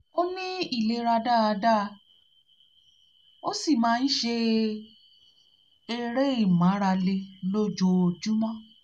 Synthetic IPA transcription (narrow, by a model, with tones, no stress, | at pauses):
o˦nĩ˦i˦˨le˨˦ɾa˧da˦a˧da˦˧ | o˦si˦˨mãː˨˦˧n̩˦ʃe˧ | e˦˧ɾe˦i˦˨mã˨˦ɾa˧le˧lo˦d͡ʒo˧o˧˨d͡ʒu˦mɔ̃˦˨